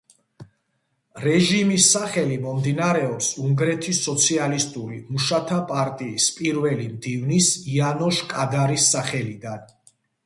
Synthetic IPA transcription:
ɾɛʒimisːaχɛlimɔmd̪inaɾɛɔpsuŋɡɾɛt̪ʰisɔt̪sʰialist̪ʼuɾimuʃat̪ʰapʼaɾt̪ʼiːspʼiɾvɛlimd̪ivnisianɔʃkʼad̪aɾisːaχɛlid̪an

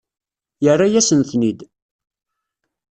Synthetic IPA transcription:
jərˤːajæsənθnid̪

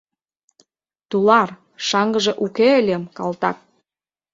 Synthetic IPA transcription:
t̪ulɑr | ʃɑŋɡə̆ʒĕʔukeəlʲemkɑlt̪ɑ̰k̚

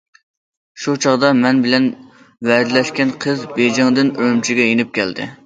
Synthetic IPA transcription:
ʃut͡ʃʰɑʁd̪ɑmɛnbɪlɛn | vɛɾd̪ɪlɛʃkʲɛnqʰəzbed͡ʒɪŋd̪ɪnyɾymt͡ʃʰiɡʲɛjenɪp̚kʲʰɛ̰ld̪ɪ̰

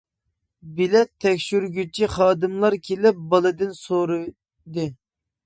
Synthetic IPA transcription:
bilɛt̪ʰːɛkʲʃyɾɡʲyt͡ʃʰiχɑːd̪ɨmlˠɑɾkʲʰelɪp̚bɑlˠɨd̪ɨnsoɾu | d̪ɨ

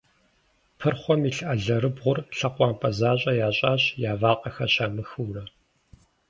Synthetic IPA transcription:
pʰɨrχʷɔmiːɬɨʔɐɮɐɾɨbʁʷʊrɬɐqʷɑːmpʼʰɐzaːɕʼɐjaːɕʼaːɕjaːvaːqʼɐxɐɕaːmɨxuːrɐ

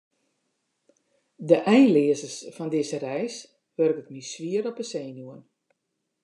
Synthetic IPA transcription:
dəʔɛjnlɪəzərsfɔndɪzərɛjs | ʋørkək̚misʋiəɾɔpəseːnjuən

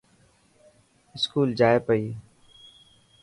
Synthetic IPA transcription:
ɪskuːld͡ʒaːeːpəiː

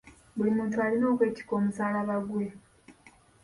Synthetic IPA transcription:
bulimuːntualino̞ːkwe̞ːci̥ko̞ːmusaːlaβaɡwe̞

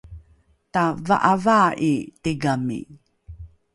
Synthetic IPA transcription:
tava̰ʔavaʔitiɡamḭ

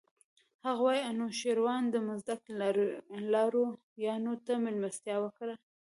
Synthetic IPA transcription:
haɣawɑjanoʃeɾwɑnd̪əmʊzd̪ak | lɑɾo | jɑnot̪amɪlmast̪jɑwəkɽa

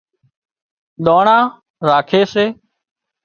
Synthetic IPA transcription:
ɗ̪oːɳãː | ɾaːkʰeːseː

